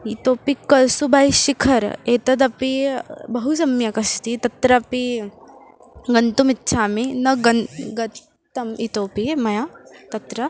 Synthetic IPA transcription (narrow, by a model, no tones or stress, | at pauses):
it̪oːpikɐsubʱaːiʃikʰɐɾeːt̪ɐd̪̬ɐpibɐɦus̬ɐmjɐkɐst̪it̪ɐt̪ɾɐɐpi | ɡɐnt̪umitːʃʰaːminɐɡɐnɡɐ | t̪ɐmit̪oːpiemɐjat̪ɐt̪ɾɐ